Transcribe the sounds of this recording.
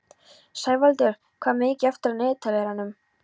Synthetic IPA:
saːjvalt̪ʏɾ̥ | kʰvaːmɪcɪaft̪ɪɾanɪːðt̪ʰalɛɾanːʏm

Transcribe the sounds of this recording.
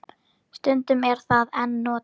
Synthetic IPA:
st̪ʏnt̪ʏmɛɾ̥θaðɛnːɔːt̪

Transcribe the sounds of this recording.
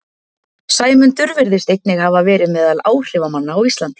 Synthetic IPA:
saːjmʏnt̪ʏɾvɪɾðɪst̪ejknɪɣhavavɛːɾɪmɛːðalaːwr̥ɪvamanːaːwist̪lant̪i̥

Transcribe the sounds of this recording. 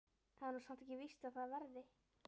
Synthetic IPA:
θaðɛɾnusan̥t̪ɛcɪvist̪aðθaðvɛɾðɪ

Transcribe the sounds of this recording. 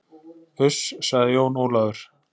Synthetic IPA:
ʏssaɣðɪjoːwnoːwlaðʏɾ̥

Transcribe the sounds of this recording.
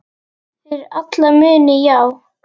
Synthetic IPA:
ɪɾat̪lamʏːnɪjaːw

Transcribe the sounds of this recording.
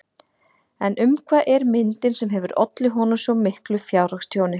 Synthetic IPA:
ɛnʏmkʰvaʔɛɾmɪnt̪ɪnsɛmɦɛvʏɾɔ̰t̪lɪɦɔnʏmsɔmɪhklʏfjaːwrakst̪ʰjoːwnɪ

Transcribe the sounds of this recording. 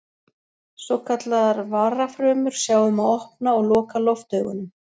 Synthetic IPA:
sɔkʰat̪laðaɾvaːrafɾœːmʏɾ̥sjaːwʏmaðɔhpnaɔɣlɔːkalɔft̪œːɥɣʏ̰nʏm

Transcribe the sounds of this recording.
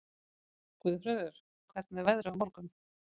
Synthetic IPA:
kʏːðʏfɾœːðʏɾ̥ | kʰvɛɾt̪nɛɾvɛðɾʏamɔɾkʏm

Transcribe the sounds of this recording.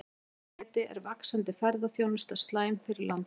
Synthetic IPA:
t̪ɪʔɛ̰ɾvaksant̪ɪfɛɾðaθjownʏst̪ast̪laːjmfɪɾɪɾlʔan

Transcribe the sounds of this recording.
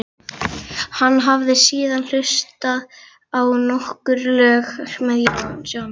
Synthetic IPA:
hanːɦavðɪsiːðanl̥ʏst̪að | awnɔhkʏɾlœːɣr̥mɛðjnsa

